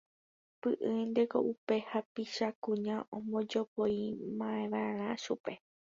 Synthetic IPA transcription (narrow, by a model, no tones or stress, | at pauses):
pɨʔɨnd̪e̞ko̞̰ʔupe̞hapiʃakũɲãʔõmõ̞d͡ʒopojmãẽʋãɾ̃ãʃupe̞